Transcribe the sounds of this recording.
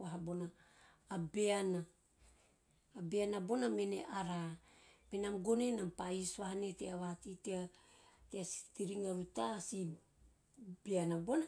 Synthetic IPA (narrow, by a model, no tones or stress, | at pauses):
waɦabo̞naː | be̞ana | be̞anabo̞name̞nḛʔaɾamenamɡo̞nenampaisβahane̞teaβahatiteateasi̥tiɾiŋaβutasi | beanabona